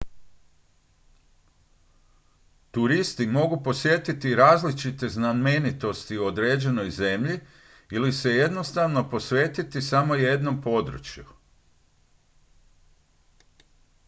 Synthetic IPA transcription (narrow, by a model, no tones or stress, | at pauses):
t̪uɾist̪imo̞ɡupo̞sʋje̞t̪it̪iɾaːzlit͡ʃit̪e̞znanmenit̪o̞st̪iuo̞d̪ɾe̞ːd͡ʑe̞no̞jze̞mʎi | ilise̞je̞d̪no̞st̪aʋno̞po̞sʋe̞ːt̪it̪isamo̞je̞d̪no̞mpo̞d̪ɾṵt͡ʃju